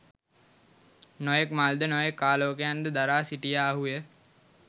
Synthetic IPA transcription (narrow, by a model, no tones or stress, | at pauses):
nojekmald̪ənojekːaːloːkejand̪əd̪aɾaːsiʈijaːɦujə